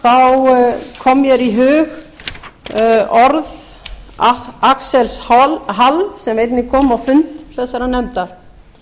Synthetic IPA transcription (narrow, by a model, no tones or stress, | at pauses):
θawkʰɔmːjɛɾiɦʏːɣ | ɔɾð | aaksɛlshɔlɦalsɛmejt̪nɪkʰɔːmawfʏnt̪θɛsːaɾanɛmt̪aɾ̥